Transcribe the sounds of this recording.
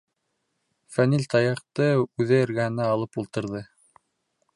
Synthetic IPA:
fænilʲt̪ɑjɑqt̪ɤʉðɘɘ̆ɾɡæhɘ̆næɑlˠɤpulˠt̪ɤ̆ɾðɤ

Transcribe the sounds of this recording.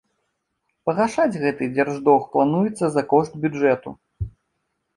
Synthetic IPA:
pɐɣaʂad͡zʲɣɛt̪ɨd͡zʲarʐd̪ɔxplˠanujɛt̪sːɐzɐkɔʂt̪bʲud͡ʐɛt̪ṵ

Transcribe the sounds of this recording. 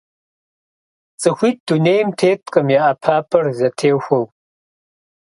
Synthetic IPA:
t͡sʼɨxʷiːt̚d̥uneːjmtʰeːtʼqʼɨmjaʔɐpʰaːpʰɐrzɐtʰeːwxʷɐw

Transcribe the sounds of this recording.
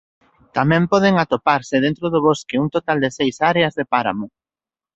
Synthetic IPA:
t̪amɛ̃mpɔð̞ɪŋat̪opaɾsɪðent̪ɾoðʊβoskeuŋt̪ot̪ald̪ɪsejsaɾeɐzðepaɾa̰mʊ

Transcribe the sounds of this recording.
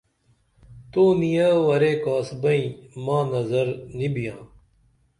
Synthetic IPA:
t̪oːnijəʋɐɾeːkaːsbɐĩːmãːnɐzəɾnibijãː

